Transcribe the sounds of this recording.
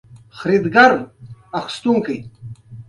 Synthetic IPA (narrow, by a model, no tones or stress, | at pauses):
xɾid̪ɡɐɾɐxst̪uŋkij